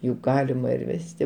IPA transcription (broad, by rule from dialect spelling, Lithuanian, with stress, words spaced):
jʊk ˈɡɑːlʲɪmɐ ɪr ˈʋʲæːsʲtʲɪ